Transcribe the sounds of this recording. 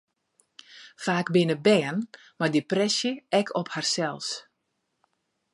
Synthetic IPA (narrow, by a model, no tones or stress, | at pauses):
faːkbɪnəbɛːən | mardiprɛsjəɛkʰɔpharsɛlˠs